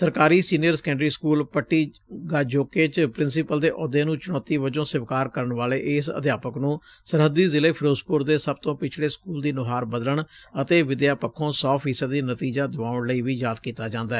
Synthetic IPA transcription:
səɾkaːɾiːsiːnijəɾsə̥kɛ̃ːɳɖɾiːskuːlpəʈːiː | ɡaːd͡ʒoːkeːt͡ʃpɾɪnsɪpəld̪eːʔɔːd̪eːnũːt͡ʃʊnɔːt̪iːʋəd͡ʒõːsɪʋkaːɾkəɾəɳʋaːleːʔɪsə̰d̪jaːpəknũː | səɾɦəd̪iːzɪleːpʰɾoːspʊɾd̪eːsəb̚t̪õːpɪt͡ʃʰɽeːskuːld̪iːnʊɦaːɾbəd̪ələɳət̪eːʋɪd̪jaːpəkʰːõːsɔːpʰiːsəd̪ːiːnət̪iːd͡ʒaːd̪ɪʋaːʊɳləiːʋiːjaːd̪kiːt̪aːd͡ʒãːnd̪aːɛː

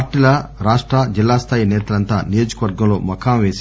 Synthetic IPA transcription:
ʈilɐɾaːʂʈɾɐd͡ʒilːaːst̪ʰaːjinɛːt̪ɐlɐnt̪a̰ːnijo̞ːd͡ʒɐkɐʋɐɾɡɐmlo̞ːmɐkʰaːmʋeːs

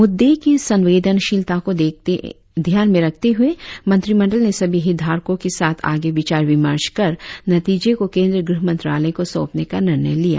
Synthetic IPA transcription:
mʊd̪ːekesɐ̃nʋeːd̪ʱənʃɪlt̪akod̪et̪ḛ | d̪ʱjaːnmẽɾɐk̚ʰt̪eɦʊemɐ̃nt̪ɾimɐ̃ɳɖəlnesɐbʱiɦɪd̪ʱaːɾkõkesaːt̪ʰa̰ːɡeʋɪt͡ʃaːɾʋɪmə̰ɾt͡ʃkɐɾnɐt̪iːd͡ʒekokẽːnd̪ɾəɡɾɪɦəmɐ̃nt̪ɾa̰ːlə̃koso̰ːpnekanɪɾnə̰jlija̰ː

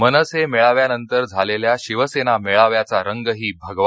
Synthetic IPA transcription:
mənəsemeɭaʋjanənt̪əɾd͡zʱaleljaɕiʋəsenameɭaʋjat͡saɾəŋɡəɦiːbʱəɡʋ

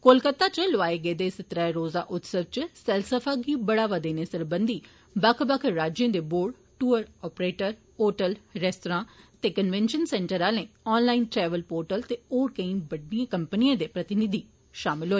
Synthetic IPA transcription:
kolkət̪aːt͡ʃloaːeːɡəeːd̪eːsɪt̪ɾaɾoːza̰ːʔʊt̪səʋt͡ʃsɛlsəpʰaːɡiːbəɽaːʋəd̪eːneːsɪɾbənd̪iː | bəkʰbəkʰɾaːd͡ʒjə̃ːd̪eːboːɖ | ʈuːəɾɔːpɾeːʈəɾ | oːʈəlɾɛːsʈoɾãːt̪eːkənʋɛ̃ːnʃənsɛːɳʈəɾaːlẽːɔːnlaːiːnʈɾɛːʋəlpoːɾʈəlt̪eːoːɾkəĩːbəɖiãːkəmpəniãːd̪eːpɾət̪ɪnɪd̪iː | ʃaːmɪlɦoːeː

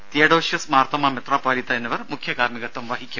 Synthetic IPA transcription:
t̪ijɐɽoːʃjɐsmaːɾt̪ɐmaːmɐt̪ɾaːpaːlit̪ɐɐnːɐʋɐɾmukʰjɐkaːɾmiɡɐt̪ːɐmʋaːɦikʲjɐ

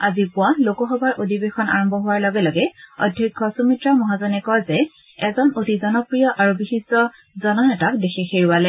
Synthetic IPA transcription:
azipʊalokɔxɔbaɹʔodibexɔna̰ɹɔmbʱɔɦʊwaɹlɔɡɛlɔɡɛɔ̰dʱjikʰːɔsumitɹamɔɦazɔnɛkɔɹzɛ | ɛzɔnotizɔnɔpɹijɔʔaɹubixisɔ | zɔnanɛtakdexexeɹuwalɛ

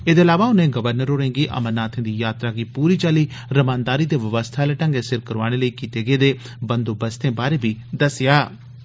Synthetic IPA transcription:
eːd̪eːəlaːʋaːʊnẽːɡəʋəɾnəɾoːɾẽŋɡiːʔə̰mənːaːt̪ʰẽːd̪iːjaːt̪ɾaːɡiːpuːɾiːt͡ʃaːliː | ɾəmãːnd̪aːɾiːt̪eːʋəʋəst̪ʰaːleːʈə̃ŋɡeːsɪɾkəɾʋa̰ːɽ̃eːləiːkiːt̪eːɡəeːd̪eː | bə̃nd̪oːbəst̪ẽːbaːɾebiːd̪əsɪjaː

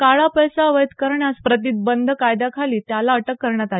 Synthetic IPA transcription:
kaɭapəjsaəʋəjt̪kəɾɳjaspɾət̪̬iːt̪̚bənd̪ʱkajd̪akʰaliːt̪jalaəʈəkːəɾɳjat̪al

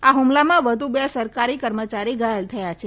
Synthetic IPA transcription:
aɦumlamãʋəd̪ʱubjasəɾkaɾikəɾmət͡ʃaɾiɡajəlt̪ʰəjat͡ʃʰe

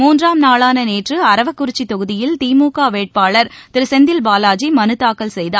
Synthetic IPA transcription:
muːndraːmnaːɭaːnɐneːʈrɯɐɾɐʋɐkːʊɾɪt͡ʃːit̪ɔɣɯðɪjɪlt̪iːmuːkaːʋeːʈ̚paːɭɐɾt̪ɪɾɯsɛnd̪ɪlbaːlaːd͡ʒimɐnɯt̪ːaːkːɐlsɛjðaːɾ

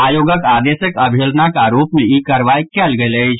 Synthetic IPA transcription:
aːjoːɡəkaːd̪eːʃəkɐbʱeːlnakaɾoːpmẽikəɾʋaːikɛlɡələid͡ʒʰ

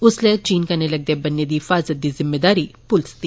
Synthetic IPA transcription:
uslet͡ɕiːnkaneləɡ̚d̪ebɐnːed̪iːfazəd̪ːiːzɪmːed̪aɾiːpulst̪i

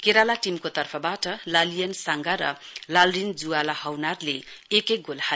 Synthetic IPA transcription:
keɾalaʈimkot̪ʌrpʰʌbaʈʌlalijʌnsaŋɡaɾʌlalrind͡zualahʌwnarleekek̚ɡolha

